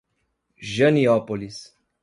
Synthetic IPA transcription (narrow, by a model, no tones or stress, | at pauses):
ʒəniɔpolis